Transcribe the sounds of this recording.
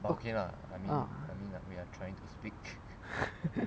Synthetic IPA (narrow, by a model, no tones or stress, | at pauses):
bakʰĩna̰ | a̰jmĩna̰jmĩnawiatʰɹajɪ̃ŋtʰuspik